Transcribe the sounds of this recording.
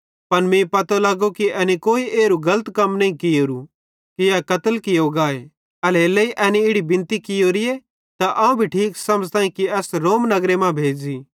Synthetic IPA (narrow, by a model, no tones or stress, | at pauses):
pɐnmĩpɐt̪olaːɡokiʔɛːnikoːiʔeːɾuɡɐlət̪kɐmnɐĩkɪjoːɾu | kijakɐt̪əlkɪjoɡaːe | ɐleleiʔɛːniɪɽibɪ̃nt̪ikɪjoɾɪje | t̪aʔɐ̃ːũbʱiʈʰiːksɐməd͡ʒt̪ãːĩkiɛːsɾoːmnɐɡɾemãbʱeːd͡ʒi